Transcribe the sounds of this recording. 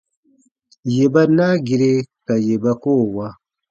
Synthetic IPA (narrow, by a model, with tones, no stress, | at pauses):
je˨ba˦na˦ɡi˨ɾe˦ka˨je˨ba˦koː˦˨wa˦